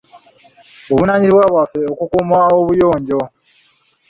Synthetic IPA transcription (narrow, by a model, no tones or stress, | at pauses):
oβunaɲiɾiβwaːβwafe̞okukumaoβujo̞ːɲɟo̞